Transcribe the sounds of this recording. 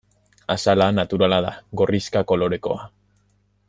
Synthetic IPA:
asalanat̪uɾalaða̰ɡo̞riskako̞lo̞ɾe̞ko̞̰a

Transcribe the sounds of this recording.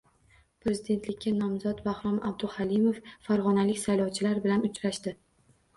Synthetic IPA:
pɾe̞zɪd̪e̞nt̪lɪkʲʰːanɒmzɒt̪bahɾɒma̰b̚d̪ʊhalimofːaɾʁɒnalɪkʲsajlɒwt͡ʃʰɪlaɾbɪlanʊt͡ʃɾaʃt̪ɪ

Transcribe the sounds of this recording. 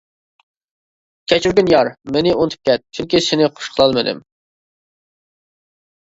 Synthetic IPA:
kʲʰɛt͡ʃʰyɾɡʲɪnjɑɾmenɪont̪ʰɨ̥p̚kʲɛt̪̚t͡ʃʰyŋkʲisɪnɪqʰo̥ʃqʰəlˠɑlˠmɨd̪ɨ̰m

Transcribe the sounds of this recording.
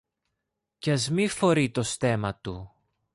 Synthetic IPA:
cɐzmifo̞ɾit̪o̞st̪e̞mɐt̪u

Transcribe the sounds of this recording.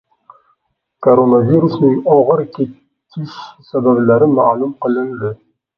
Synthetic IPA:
kʰoɾonaviɾusnɪŋɒʁɨɾkʲʰe | kʲʰɪʃsabablaɾɪmalˠumqɨlˠɪnd̪ɪ

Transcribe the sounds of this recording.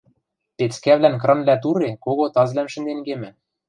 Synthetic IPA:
pet͡skæβlænkrɤ̆nlæt̪̬uɾekoɣot̪ɑzlæmʃɘ̆nd̪eŋɡemɘ̆

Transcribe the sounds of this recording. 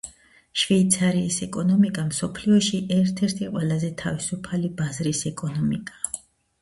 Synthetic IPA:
ʃviːt̪sʰaɾiːsɛkʼɔnɔmikʼamsɔpʰliɔʃiʔɛɾt̪ʰɛɾt̪ʰiqʼwɛlˠazɛt̪ʰavisupʰalibazɾisɛkʼɔnɔmikʼa

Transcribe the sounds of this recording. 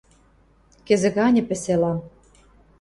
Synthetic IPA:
kĕzɘ̆ɣɑnʲɘ̆pĕselɑm

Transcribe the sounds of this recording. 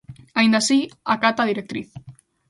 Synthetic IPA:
aind̪asiakat̪aðiɾek̚t̪ɾiθ

